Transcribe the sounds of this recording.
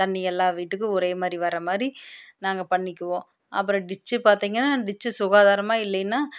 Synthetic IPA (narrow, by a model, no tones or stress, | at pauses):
t̪ɐɳːɪɛlːãːʋiːʈːɯk̬ːɯɔɾeːmaːd̪ɾiʋɐɾɐmaːd̪ɾinaːŋɡɐpɐɳːɪkʲːɯʋõː | ʔɐ̰pːɯɾɔ̃ɖɪt͡ʃːɯpaːɾt̪iːŋɡɐnːaːɖɪt͡ʃːɯsʊɣaːðaːɾɐmaːɪlːɐnːaː